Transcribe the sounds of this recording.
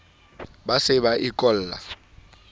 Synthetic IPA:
basɪbaʔɪkʼɔl̩ːla̰

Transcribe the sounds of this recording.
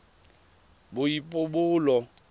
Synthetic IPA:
bʊipʼʊbʊːlɔ

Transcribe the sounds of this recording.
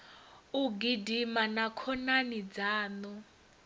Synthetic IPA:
uɡidimanakʰɔnanid͡zaːnɔ

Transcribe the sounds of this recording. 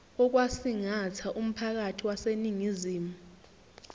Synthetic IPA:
ɔk̬wasiŋat͡sʰaʔum̩pʰak̬atʰiwaseniŋiziːmu

